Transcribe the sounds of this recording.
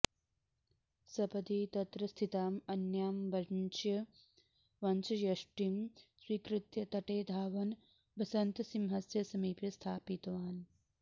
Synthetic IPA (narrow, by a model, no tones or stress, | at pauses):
sɐpɐd̪iːt̪ɐt̪ɾɐst̪ʰit̪aːmɐnjaːmbɐnt͡ʃjɐ | ʋɐnt͡ʃʰɐjɐʂʈimswiːkɾɪt̪jɐt̪ɐʈeːd̪ʱaːʋɐn | bɐsɐnt̪simɦɐsjɐsɐmiːpjɐst̪ʰaːpit̪ʋaːn